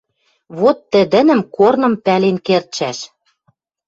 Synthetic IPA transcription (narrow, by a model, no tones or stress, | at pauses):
βot̪ːɘ̆d̪ɘ̆nɘ̆mkornɤ̆mpælenkert̪ʃæʃ